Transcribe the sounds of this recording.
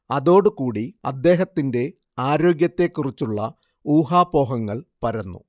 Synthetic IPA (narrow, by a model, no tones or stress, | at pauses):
ɐðo̞ːɽukuːɽiɐ̰d̪ːe̞ːɦɐt̪ːinde̞ | aːɾo̞ːɡjɐt̪ːe̞kːurit͡ɕːuɭːɐ̰ | uːɦaːpo̞ːɦɐŋːɐɭpɐɾɐnːṵ